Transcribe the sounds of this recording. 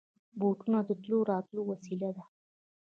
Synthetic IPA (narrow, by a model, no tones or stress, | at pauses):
boʈunad̪əʈloɾɑt̪lowasilad̪a